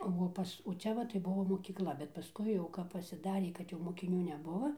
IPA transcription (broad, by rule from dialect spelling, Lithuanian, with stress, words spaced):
oː ˈpɐs oː ˈt͡ʃʲɛ ʋɐ tɐɪ ˈbʊʋoː moːkʲiːkˈlˠɐ bʲɛt pɐˈskʊɪ jɛʊ kɐp pɐsʲɪˈdɑːrʲeː kɐt jɛʊ moːkʲɪˈnʲuː nʲɛˈbʊʋoː